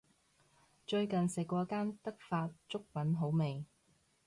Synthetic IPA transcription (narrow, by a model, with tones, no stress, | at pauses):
t͡ʃɵ˧ɥkɐ˨nsɪ˨kʷːɔː˧kaː˥nt̪ɐ˥k̚faː˧t̚t͡ʃʊ˥k̚pɐ˨˥nɦo˨˥wme˨j